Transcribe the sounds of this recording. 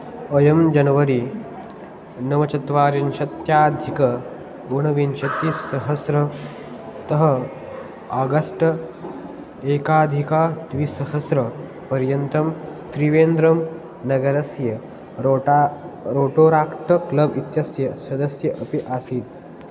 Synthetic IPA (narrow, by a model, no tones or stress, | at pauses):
əjɐmd͡ʒɐnʋɐɾi | nɐʋɐt͡ʃɐt̪ʋaːɾinɕɐt̪jaːd̪ʱikɐ | ɡoɳɐʋinɕɐt̪ːisɐɦɐsɾɐ | t̪ɐɦɐ | aːɡɐsʈ | eːkaːd̪ʱikad̪ʋisɐɦɐsɾɐ | pɐɾjɐnt̪ɐmt̪ɾiʋeːnd̪ɾɐm | nɐɡɐɾɐsjɐ | ɾoːʈoːɾaːkʈɐklɐbit̪jɐsjɐsɐd̪ɐsjɐʔəpiʔaːsiːt̪̚